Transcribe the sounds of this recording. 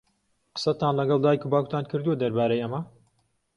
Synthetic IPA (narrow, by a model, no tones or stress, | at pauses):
qə̥sɐt̪aːnlɐɡɑlˠd̪aːjkʰubaːku̥t̪ʰaːnkʰɨɾd̪uwɐd̪ɐɾbaːɾejɐmɐ